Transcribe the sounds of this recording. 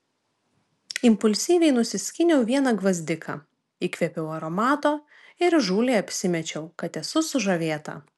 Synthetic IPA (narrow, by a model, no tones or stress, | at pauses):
ɪmpʊlʲsʲiːʋʲɛɪnʊsʲɪsʲkʲɪnʲɛʊʋʲiɛnɐɡʋɐzʲd̪ʲɪkʰɐ̰ | iːkʋʲɛpʲɛʊɐɾɔmɑːt̪oː | ɪɾʒuːlʲeːɐpʲsʲɪmʲɛt͡ʃʲɛʊkɐt̪ʲɛsʊsʊʒɐʋʲeːt̪ɐ̰